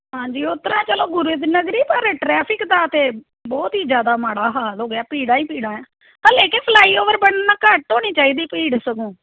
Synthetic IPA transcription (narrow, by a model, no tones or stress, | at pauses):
ɦãːd͡ʒiːʊt̪ɾãːt͡ʃəlõːɡʊɾʊd̪nəɡɾiːpəɾʈɾɛːpʰɪkd̪aːt̪eː | bɔːt̪ɦiːd͡ʒjaːd̪aːmaːɽaːɦaːloːɡjaːpiːɽãːĩːpiːɽãːɛ̃ː | t̪ãːleːkɪnpʰəlaːiːoːʋəɾbəɳnaːkəʈɦoːñiːt͡ʃaːiːd̪iːpiːɽsəkõː